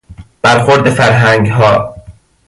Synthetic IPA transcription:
b̥æɾxoɾd̪efæɾɦæŋɡɦɒː

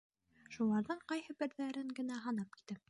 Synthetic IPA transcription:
ʃulˠɑɾðɤɴqɑjhɤbɘ̆ɾðæɾɘŋɡɘ̆næɦɑnɑp̚ki̥t̪ɘ

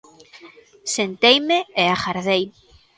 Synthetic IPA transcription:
sent̪ejmeeaxaɾðej

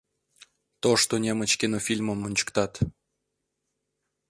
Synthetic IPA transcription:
t̪oʃt̪onʲemət͡ɕkʲenofʲilʲməmːunʲt͡ɕə̥kt̪ɑt̪

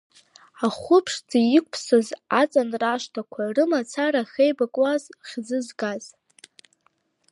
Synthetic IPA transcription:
aχʷʊpʰʂd͡zajɪkʷʼpʰsozat͡sʼanraʃtʰakʷʰarɨmat͡sʰaɾaχʲejbakʼwazχʲzɨzɡaz̥

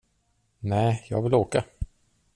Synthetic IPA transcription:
nɛːjɑ̰ːɡvɪloːka

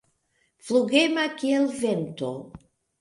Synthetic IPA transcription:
fluɡemakielvent̪o

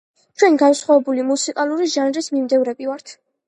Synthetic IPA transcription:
t͡ʃʰwɛnɡansχwavɛbulimusikʼalˠuɾiʒanɾismimd̪ɛvɾɛbivaɾt̪ʰ

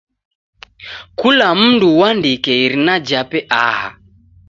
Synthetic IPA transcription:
kulam̩nduwandikɛiɾinad͡ʒapɛʔaha

